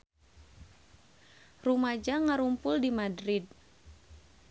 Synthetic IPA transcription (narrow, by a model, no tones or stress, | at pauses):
rumad͡ʒaŋaɾumpʊldimadɾid̚